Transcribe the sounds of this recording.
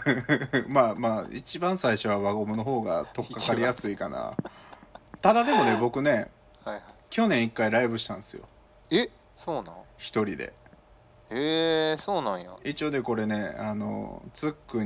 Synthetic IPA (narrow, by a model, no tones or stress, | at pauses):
maːmaːḭt͡ɕibãɰ̃saiɕo̞βaβaɡomɯno̞ɦo̞ːɡa̰t̪o̞kkːakaɾʲijasɨikana̰ | t̪ad̪ad̪e̞mo̞ne̞bo̞kɯ̟ne̞ | haakʲo̞nẽ̞ɰ̃ikːaiɾaibɯ̟ɕi̥t̪ãɰ̃ñsɨjo̞̰ | e | soːnãçi̥t̪o̞ɾʲid̪ḛ | esoːnãɰ̃ja̰it͡ɕio̞ːd̪e̞ko̞ɾe̞ne̞ano̞̰t͡sɨkːɯ̟